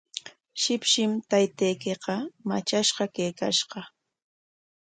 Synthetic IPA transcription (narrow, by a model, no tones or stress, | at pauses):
ʃɪpʃɪmt̪ajt̪ejkeqɑmat͡ʃaʃɢɑkejka̰ʃɢɑ